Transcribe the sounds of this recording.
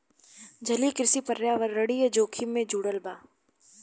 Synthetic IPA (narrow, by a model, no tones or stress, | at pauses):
d͡ʒʱɐlikɾɪsipɐɾjaːʋəɾːəɽijəd͡ʒoːkʰimːẽd͡ʒuːɽəlbaː